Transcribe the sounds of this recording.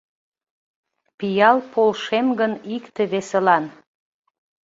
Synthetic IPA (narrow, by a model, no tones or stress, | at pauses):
pijɑlpolʃemɡənikt̪eβeselɑn